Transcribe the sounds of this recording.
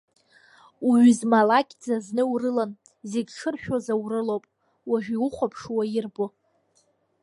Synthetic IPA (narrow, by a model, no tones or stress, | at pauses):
uɥʏzmalakʲʼd͡zaznɨurɨlan | zeɡʲʈ͡ʂʰɨrʃᶣozawrɨlowpʼ | waʒᶣiuχʷapʰʂwajɪrbo